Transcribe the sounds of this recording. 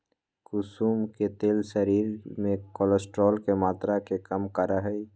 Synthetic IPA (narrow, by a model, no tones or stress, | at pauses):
kʊsuːmket̪eːlʃəɾiːɾmẽkɔːləsʈɾɔːlkemaːt̪ɾakekəmkəɾaɦɛi